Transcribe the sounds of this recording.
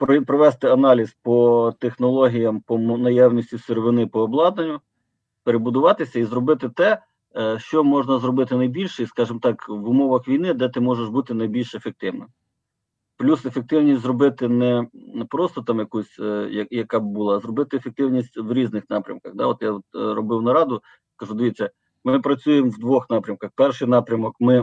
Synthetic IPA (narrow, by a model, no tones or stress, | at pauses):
pɾɔpɾɔʋɛst̪ɪɐnɑlʲizpɔt̪exnɔlˠɔɦʲijɐmpɔmnɐjɑwnʲisʲtʲisɪɾeʋɪnɪpɔːblˠɑd̪nɐnʲːʊ | peɾebʊd̪ʊʋɑt̪ɪsʲɐizɾɔbɪt̪ɪt̪ɛ | ʃt͡ʃɔmɔʒnɐzrɔbɪt̪ɪnɐjbʲilʲʃɛiskɑʒɪmt̪ɑkʋʊmɔʋɐxʋʲijnɪd̪ɛt̪ɪmɔʒeʃbut̪ɪnɐjbʲilʲʃefek̚t̪ɪwnɪm | plʲusefek̚t̪ɪwnʲisʲtʲzɾɔbɪt̪ɪnɛpɾɔst̪ɔt̪ɑmjɐkusʲjɐjɐkɑbbʊlˠɑzɾɔbɪt̪ɪefek̚t̪ɪwnʲisʲtʲʋɾʲiznɪxnɑpɾʲɐ̰mkɐɣd̪ɑɔt̪jaɔt̪ɾɔbɪwnɐɾɑd̪ʊ | skɐʒud̪ɪʋʲit͡sʲːɐ | mɪpɾɐt͡sʲujemwd̪ʋɔxnɑpɾʲɐmkɐxpɛrʃɪjnɑpɾʲɐmɔkmɪ